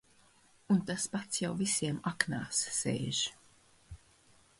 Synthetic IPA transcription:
unt̪aspat̪sjawvisiɛmakna̰ːsːḛːʒ

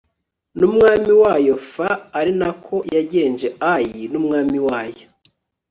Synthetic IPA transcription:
numŋaːmiwaːjofaːɾinakʰo̞jaɟeːnd͡ʒe̞ajinumŋaːmiwaːjo

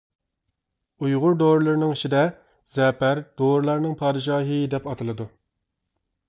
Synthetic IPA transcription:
ujʁʊɾd̪oɾlˠɨɾnɨŋiʃʰid̪ɛ | zɛpæɾd̪̥oɾlˠɑɾnɨŋpʰɑːd̪ɨʒɑːɦɨd̪ɛpɑt̪ʰɨlˠɨd̪u

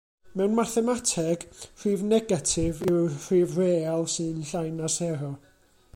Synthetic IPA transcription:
mɛwnmaθɛmatʰɛɡ̥r̥iːvnɛɡatʰɪvir̥iːvreːalˠsɨnɬajnasɛɾɔ

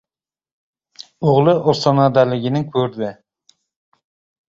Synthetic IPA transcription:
ʊʁlˠɨʔosɑnɑd̪ælɪɡʲɪnɪŋkʲʰɵɾd̪ɪ

